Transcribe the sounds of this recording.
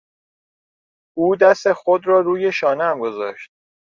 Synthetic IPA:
uːd̪æst̪exod̪ɾɒːɾuːje̞ʃɒːnæmɡo̞zɒ̰ːʃt̪̚

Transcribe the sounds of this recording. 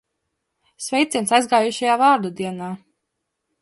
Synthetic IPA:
svʲɛjt̪sʲiɛnsajzɡaːjuʃajaːvaːɾd̪ud̪iɛnaː

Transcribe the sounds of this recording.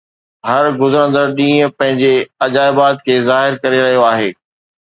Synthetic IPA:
ɦɐɾɡʊzɾə̃nd̪əɾɗĩːə̃pɐ̃ɦɪ̃ɲd͡ʑeɐd͡ʑaːɪbaːd̪̚kʰeːzaːɦɪɾkɐɾeɾɐɦijoaːɦeː

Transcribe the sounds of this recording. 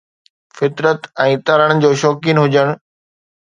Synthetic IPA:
fɪt̪ɾət̪ɛ̃ːt̪ɐɾəɽ̃̆d͡ʑoːʃɔːkinɦʊd͡ʑəɽ̃

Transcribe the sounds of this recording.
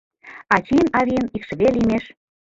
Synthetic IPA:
ɑt͡ɕiənɑβʲiənikʃə̆βelimeʃ

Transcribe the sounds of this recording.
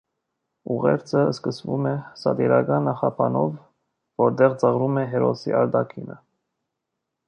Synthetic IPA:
uʁɛ̰ɾt͡sʰəskəsvumɛsɑd̪iɾɑɡɑnːɑχɑpʰɑnɔvː | ɔɾd̪ɛʁt͡sɑʁɾumɛɦɛɾɔsḭʔɑɾd̪ɑkʰinə

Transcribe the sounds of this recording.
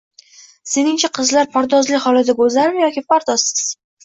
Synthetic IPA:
se̞nɪŋt͡ʃʰaqʰɨzlaɾpʰaɾd̪ɒzlɪhɒlad̪aɡolzaɾɪmjɒkʲɪpaɾd̪ɒsɪ̥z̥

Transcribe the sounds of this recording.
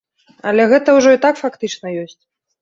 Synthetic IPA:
ɐ̰lʲɛɣɛt̪ɐwʐɔit̪akfakt̪ɨt͡ʂnɐjɔsʲt͡sʲ

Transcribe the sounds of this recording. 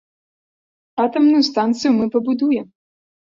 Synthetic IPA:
at̪ɐmnʊjust̪ant̪sɨjumɨpɐbud̪ujɛ

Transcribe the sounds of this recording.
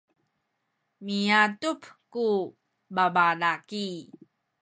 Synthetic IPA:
miatupku | babalaki

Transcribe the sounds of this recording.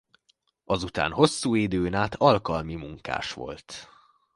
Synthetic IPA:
ɒzut̪a̰ːnɦo̞sːuːid̪øːnaːt̪ʰɒlkɒlmimuŋka̰ːʃʋo̞̰lt̪

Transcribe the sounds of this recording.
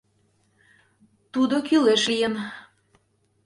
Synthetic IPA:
t̪ud̪okyleʃlijən

